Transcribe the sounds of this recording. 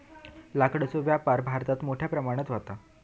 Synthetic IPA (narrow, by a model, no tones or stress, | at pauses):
lakɽəsuʋjapaɾbʱaɾt̪at̪moʈʰjapɾəmaɽ̃ət͡s̪ʋat̪a